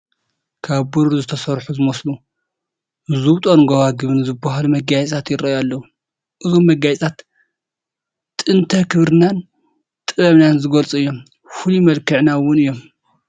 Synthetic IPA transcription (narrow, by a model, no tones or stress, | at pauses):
kʰaβbuɾɾzɨt̪ʰɐsɐɾħuzɨmɐslu | zuwt̪ʼonɡowaɡɨβɨnzɨbːaɦalumɐɡajsʼtʰat̪jɪɾɐjalːɐwu | ʔɨzomːɐɡajt͡sʼt̪ʰat̪ | t̪ʼɨnt̪ʰɐkʰɨβɾɨnan | t̪ʼɨβɐβnanzɨɡɐlt͡sʼuɨjːo̞m | fulumɐlkʰɨʕnawʊnɨjːom